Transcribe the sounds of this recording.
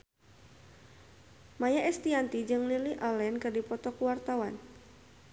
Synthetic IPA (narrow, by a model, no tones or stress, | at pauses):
majaʔɛst̪iant̪id͡ʒɨŋliliʔalɛnkɨrdipɔt̪ɔkuwart̪awan